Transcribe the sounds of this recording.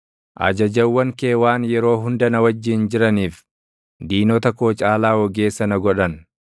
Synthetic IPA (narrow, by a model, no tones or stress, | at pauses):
ʔɐ̰d͡ʒɐd͡ʒɐwːɐŋke̞ːwaːnjɛɾo̞ːɦʊnd̪ɐnɐwɐd͡ʒːɪnd͡ʒɪɾɐniːf | d̪iːnɔt̪ɐkoːt͡ʃʼaːlaːwɔɡe̞ːsːɐnɐɡɔᶑɐn